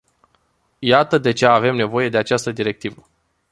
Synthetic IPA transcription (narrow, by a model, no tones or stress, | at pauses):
jat̪əd̪e̞t͡ʃe̞ave̞mne̞vo̞je̞d̪e̞at͡ʃast̪əd̪iɾe̞k̚t̪ivə